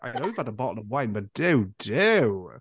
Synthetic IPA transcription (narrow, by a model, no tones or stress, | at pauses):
ʔaɪnoʊwiv̥ədəbɔʔl̩ˠəvwãɪ̃nbʌt̚d̥ʉd̥ʉ